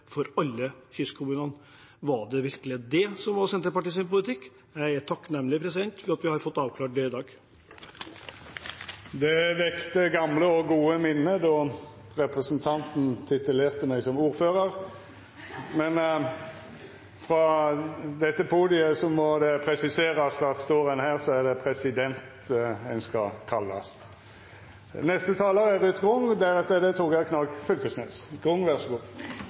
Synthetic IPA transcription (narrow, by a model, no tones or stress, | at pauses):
fɔɾɑlːəçʏskʰʊmʉːnən | ʋɑɖɛʋɪɾkəlɪd̪ɛsɔmʋɑsɛnt̪əɾpɑʈiːsɪnpʊlɪt̪ɪkː | jæɪæʈ̪ʰɑkːnɛmːlɪpʰɾɛsɪd̪ɛnt̪fɪɾɑt̪ʋɪhɑɾfɔt̪ːɑːʋkʰlɑːʈ̚ɖ̪ɛɪd̪ɑːɡ | d̪ɛʋɛkt̪əɡɑmləɔɡuːəmɪnːəd̪ɔ | ʁɛpʁəsənt̪ʰɑnt̪n̩t̪ʰɪt̪ʉleːʁt̪əmɛɪsɔmuːɾføːʁəɾ | mɛn | fʁɑ | d̪ɛt̪ːəpʰuːd̪ɪəsɔmɔd̪ɛpʰɾɛsɪseːʁɑsfʁɑst̪oːʁənhæːʁsɔæʁd̪ɛpʰɾɛsɪd̪ɛnt̪ɛnskɑkʰɑlːɑ̰st̪ | nɛst̪ət̪ʰɑːləɾɛʁʉt̪ɡʁʊŋd̪æʁɛt̪əd̪ɛt̪ʰuːɡækʰnɑkfʉlkəsnḛːsɡ̥ʁʊŋːʋæʁsəɡuː